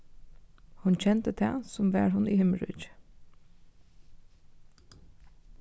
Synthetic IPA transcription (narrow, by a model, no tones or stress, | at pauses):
hʉnc͡çɛnt̪ət̪ʰæːsʊmʋæ̰ːɹhʊniːhɪməlʉ̰ːd͡ʒ